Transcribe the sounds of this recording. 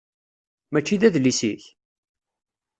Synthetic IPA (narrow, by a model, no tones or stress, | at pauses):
mæt͡ʃːiðæðlisiç